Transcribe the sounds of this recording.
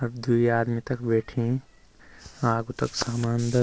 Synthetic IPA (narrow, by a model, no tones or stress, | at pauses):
ɐbd̪uiaːd̪mit̪ɐkbeːʈʰẽ | aːɡut̪ɐksaːmaːnd̪ə